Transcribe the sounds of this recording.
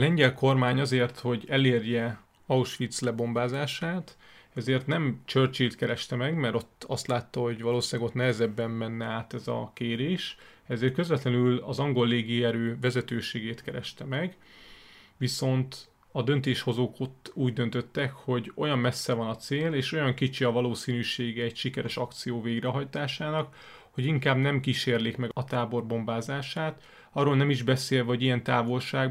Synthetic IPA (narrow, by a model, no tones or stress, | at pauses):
lɛɲɟɛlko̞rmaːɲɒzeːrt̪ho̞ɟɛleːrjɛ | ɒuʃʋit̪slɛbo̞mbaːzaːʃaːt̪ | ɛzeːrt̪nɛmt͡ʃørt͡ʃeːt̪kɛɾɛʃt̪ɛmɛɡmɛɾo̞t̪ːɒst̪laːt̪ːɒho̞ɟʋɒloːʃaːɡo̞t̪nɛɦɛzɛbːɛmmɛnːɛaːt̪ɛzɒ̰keːɾeːʃ | ɛzeːrt̪̚køzvɛt̪lɛnylɒzɒŋɡo̞lːeːɡiɛɾøːvɛzɛt̪øːʃeːɡeːt̪kɛɾɛ̰ʃt̪ɛmɛɡ | viso̞nt̪ | ɒd̪ø̞nt̪eːʃho̞zoːkot̪ːuːɟd̪ø̞nt̪ø̞t̪ːɛkho̞ɟo̞̰jɒmmɛsːɛvɒnɒt̪seːleːʃo̞jɒŋkit͡ʃiɒvɒloːsiːnyːʃeːɡɛːcʃikɛɾɛʃɒkt̪sijoːveːɡɾɛɦɒjt̪aːʃaːnɒk | ho̞ɟiŋkaːbnɛmkiʃeːrleːkmɛɡɒt̪aːbo̞rbo̞mbaːzaːʃaːt̪ | ɒrːoːlnɛmiʒbɛseːlɒoɟijɛnt̪aːvo̞lʃaːɡ